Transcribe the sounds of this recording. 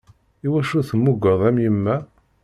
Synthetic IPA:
iwæʃuθəmːuɡəðˤæmjəmːæ

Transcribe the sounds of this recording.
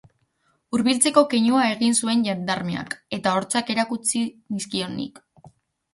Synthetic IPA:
uɾβilt͡se̞ko̞keɲuae̞ɣinsue̞nʎand̪aɾme̞a̰ke̞t̪ao̞ɾt͡sake̞ɾakut͡siniskio̞nḭk

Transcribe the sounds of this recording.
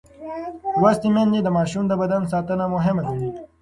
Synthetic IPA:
wast̪imend͡ʒed̪əmɑːʃumd̪əbɐd̪ans̬ɑːt̪ənamʊɦɪmalɐɽi

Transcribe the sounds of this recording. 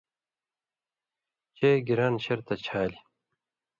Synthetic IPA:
t͡ɕeːɡiɾaːnɕɐɾt̪ɐt͡ɕʰaːli

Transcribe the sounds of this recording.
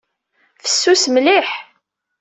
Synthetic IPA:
fə̥sːusmliħ

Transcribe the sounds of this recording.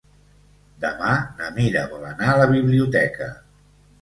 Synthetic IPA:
d̪əmanəmiɾəβɔlənaələβiβliut̪ɛkə̰

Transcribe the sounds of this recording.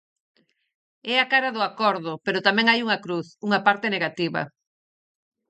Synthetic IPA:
ɛakaɾaðʊakɔɾðʊpeɾʊt̪amɛ̃ŋajuŋakɾuθuŋɐpaɾt̪eneɣat̪iβɐ̰

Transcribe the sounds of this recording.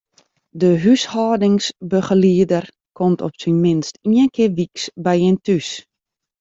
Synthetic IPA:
dəɦyshɔːdɪŋsbəχəliədər | kʰɔmtʰɔpsinmɪnstiənkʰɪːrʋiksbɛjɪntys

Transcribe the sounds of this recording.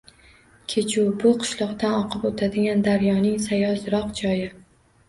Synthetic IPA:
kʲʰet͡ʃʰʊbʊqʰɨ̥ʃlˠɒqd̪anɒqʰɨpot̪ʰad̪ɪɡʲand̪aɾjɒnɪŋsajɒzɾɒqd͡ʒɒjɪ

